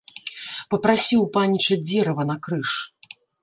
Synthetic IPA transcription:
pɐpɾasʲiwpanʲit͡ʂɐd͡zʲɛɾɐvɐnɐkɾɨʂ

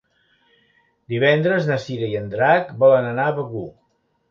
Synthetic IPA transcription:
d̪iβɛnd̪ɾəznəsiɾəiənd̪ɾakbɔlənənaβəɣu

